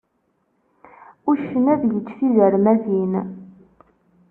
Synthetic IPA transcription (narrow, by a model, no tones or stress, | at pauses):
ʊʃənæðjət͡ʃːθiðəɾmæðin